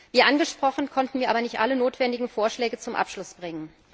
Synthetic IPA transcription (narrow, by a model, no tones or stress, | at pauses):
viːʔanɡəʃpʁ̥ɔχn̩kʰɔntn̩viːɐaːbɐnɪçtʔa̰lənoːtv̥ɛndɪɡŋ̩foːɐʃlɛːɡət͡sʊmʔa̰pʃlʊsb̥ʁɪŋən